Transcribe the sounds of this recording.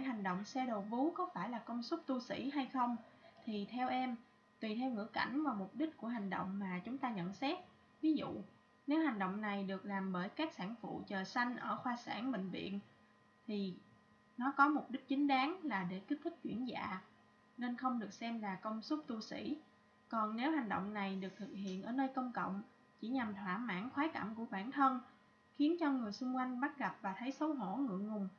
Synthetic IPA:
a˧˩ɦa˨˩ŋ̟ɗo̰˧˨wŋ͡msɛ˧ɗo˨˩vu˨˦kɔ˨˦faː˧˩jlaː˨˩kə˧wŋ͡msʊ˦˥k͡p̚t̪u˧sḭ˧˩ɦa˧jxə˧wŋ͡mt̪ʰi˨˩t̪ʰɛ˧wʔɛ˧m | t̪wi˨˩t̪ʰɛ˧wŋɨ̰˧˥əka̰˧˩jŋ̟vaː˨˩wmʊ˨˩k͡p̚ɗï˦˥k̟̚ku˧˩əɦa˨˩jŋ̟ɗo̰˧˨wŋ͡mmaː˨˩t͡ɕʊ˨˦ŋ͡mt̪aː˧ɲə̰˧˨nsɛ˦˥t̚ | vi˨˦zṵ˧˨ | ne˨˦wha˨˩jŋ̟ɗo̰˧˨wŋ͡mna˨˩jɗɨ˨˩ək̚laː˨˩mɓəː˧˩jkaː˦˥k̚saː˧˩nfṵ˧˨t͡ɕəː˨˩sa˧jŋ̟ʔəː˧˩xwaː˧sa̰ː˧˩nɓḛ̈˧˨ŋ̟vḭ˧˨ən | t̪ʰi˨˩ | nɔ˨˦kɔ˨˦mʊ˨˩k͡p̚ɗï˦˥k̚t͡ɕï˨˦ŋ̟ɗaː˨˦ŋlaː˨˩ɗe˧˩ki˦˥t̚t̪ʰɨ˦˥k̚t͡ɕwḭ˧˩ənza̰ː˧˨ | ne˧nxə˧wŋ͡mɗɨ˨˩ək̚sɛ˧mlaː˨˩kə˧wŋ͡msʊ˦˥k͡p̚t̪u˧sḭ˧˥ | kɔ˨˩nne˨˦wha˨˩jŋ̟ɗo̰˧˨wŋ͡mna˨˩jɗɨ˨˩ək̚t̪ʰɨ˨˩k̚hḭ˧˨ənʔəː˧˩nəː˧jkə˧wŋ͡mkə̰˧˨wŋ͡m | t͡ɕi˧˩ɲa˨˩mt̪ʰwaː˧˩ma̰ː˧˥˩nxwaː˨˦ka̰˧˩mku˧˩əɓaː˧˩nt̪ʰə˧n | xi˨˦ənt͡ɕɔ˧ŋɨ˨˩əjsʊ˧ŋ͡mkwa˧jŋ̟ɓa˦˥t̚ɣa˨˩p̚vaː˨˩t̪ʰə˨˦jsə˨˦wɦo̰˧˩ŋɨ̰˧˨əŋŋʊ˨˩ŋ͡m

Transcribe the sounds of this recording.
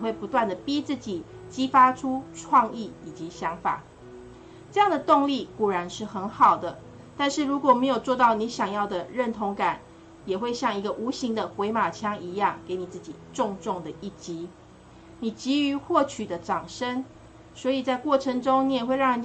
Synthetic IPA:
xwe˥˩ɪpu˧˦t̪wa˥˩nd̪ə˩pi˦t͡sɹ̩˥˩t͡ɕi˨˩ | t͡ɕi˦˥fa˥ʈ͡ʂʰu˦ʈ͡ʂʰwɑ˥˧ŋi˥˩i˨˩t͡ɕi˨˦ɕjɑ˧˥ŋfa̰˨˩˦ | ʈ͡ʂɤ˥˧jɑ˥˩ŋd̪ə˩t̪ʊ˥˧ŋli˥˨ku˨˩ɻa˧˥nʂɻ̩˥˩xə˧˥nxɑ˨˩ʊd̪ə˦ | t̪a˥˧nʂɻ̩˥˩ɻu˧˥kwɔ˨˩me˧˥ɪjo˨˩ʊt͡swɔ˥˧t̪ɑ˥˩ʊni˧˥ɕjɑ˨˩ŋjɑ˥˩ʊd̪ə˩ɻə˥˩nt̪ʰo˧˥ŋka˨˩˦n | jɛ˨˩xwe˥˧ɪɕjɑ˥˩ŋi˧˥ɡə˧ʔu˧˥ɕi˧˥ŋd̪ə˨xwe˧˥ɪma˨˩t͡ɕʰjɑ˥ŋi˧˥jɑ˥˩ŋke˧˥ɪni˨˩t͡sɹ̩˥˩t͡ɕḭ˨˩ʈ͡ʂʊ˥˧ŋʈ͡ʂʊ˥˩ŋd̪ə˩i˥˩t͡ɕi˧˥ | ni˨˩t͡ɕi˧˥y˧˥xwɔ˥˩t͡ɕʰy˨˩d̪ə˦ʈ͡ʂɑ˨˩ŋʂə˦˥ŋ | swɔ˧˥i˨˩t͡sa˥˧ɪkwɔ˥˩ʈ͡ʂʰə˧˥ŋʈ͡ʂo˥ŋni˨˧˥jɛ˨˩xwe˥˧ɪɻɑ˥˩ŋni˨

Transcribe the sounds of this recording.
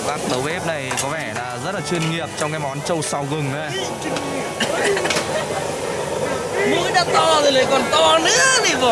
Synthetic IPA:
kaː˦˥k̚ɗ̪ə˨˦wʔɛ˦˥p̚na˨˩jkɔ˨˦vɛ˧˩laː˨˩zə˦˥laː˨˩t͡ɕwi˧ənŋi˨˩əp̚t͡ɕɔ˧wŋ͡mkaː˨˦jmɔ˨˦nt͡ɕə˧wsa˧˩wɣɨ˨˩ŋə˨˦ | mu˧˦jɗaː˧˥t̪ɔ˧ŋɨ˨˩˨ləː˨˩jkɔ˨˩nt̪ɔ˧nɨ̰˧˥əni˧˩z

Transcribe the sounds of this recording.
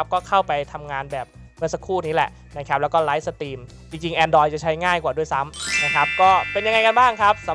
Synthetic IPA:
a˦˥p̚kɔː˥˩kʰa˥˩wpa˧jt̪ʰa˧mŋaː˧nbɛː˨˩p̚ | mɯ˧˥əsa˧kʰuː˥˩niː˦˥lɛ̰˨˩ʔ | na˦˥kʰa˦˥p̚lɛː˦˥wkɔː˥˩la˦˥jsa˧t̪iː˧m | t͡ɕi˧ŋt͡ɕi˧ŋʔɛː˧ndɔː˧jt͡ɕa˨˩t͡ɕʰa˦˥jŋaː˥˩jkwaː˨˩du˥˩əjsa˦˥mna˦˥kʰa˦˥p̚kɔː˥˩pe˧nja˧ŋa˧jka˧nbaː˥˩ŋkʰa˦˥p̚sa˩˦

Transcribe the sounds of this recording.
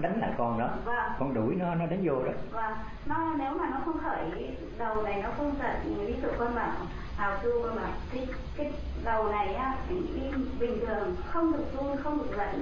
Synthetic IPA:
ɗa˨˦ŋ̟la̰ː˧˨jkɔ˨˩nɗɔ˨˦vaː˨˩kɔ˧˩nɗu˧˩jnɔ˨˦nɔ˨˦ɗa˨˦ŋzo˧˩ɗo˨˦vaː˨˩ | nɔ˨˦ne˨˦wmaː˨˩nɔ˨˦xə˧wŋ͡mxʰəː˧˩j | zə˨˩wna˨˩jnɔ˨˦xə˧wŋ͡mzə̰˧˩˨li˧zṵ˨˧˨kaː˧maː˨˧˩w | ʔaː˨˩wsu˧va˧˩maː˨˩t̪ʰi˧˦ | kaː˨˦ | zə˨˩wna˨˩jʔaː˨˦i˨˩ŋʔi˧ɓï˨˩ŋ̟t̪ʰɨ˨˩əŋxə˧wŋ͡mɗɨ˨˩ək̚zu˧ənxə˧wŋ͡mɗɨ˨˩ə˩k̚lə̰˧˨ŋ

